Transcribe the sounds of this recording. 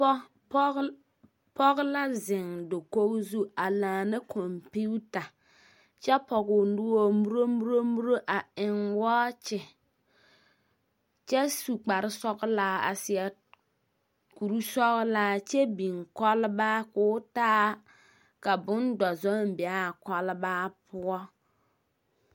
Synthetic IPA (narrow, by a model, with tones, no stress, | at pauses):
pɔ˦ɣla˦zɪ˨ŋdo˨ko˦ɡzu˦a˨laː˨nɨ˦kʰɔ˨mpi˦ta˨ | t͡ʃɛ˦pɔ˨ɡʊ˨ndu˦wo˦mu˦ɾo˦mu˦ɾo˦mu˦ɾo˦ʔa˨ɪ˨ŋwa˦t͡ʃɪ˨ | t͡ʃɛ˦su˨k͡pa˨ɾɪ˦sɔ˦ɡlaː˦a̰˨sɪ˨ɛ˨ | ku˨ɾu˦sɔ˦ɣlaː˦t͡ʃɛ˦bi˨ŋkɔ˦lba˦kʊː˦taː˦ | ka˨bʊ˦ndɔ˨zɔ˦m˦bɪ˨a˦˨kɔ˦lɪ˦baː˦pʰʊ˦ɔ˦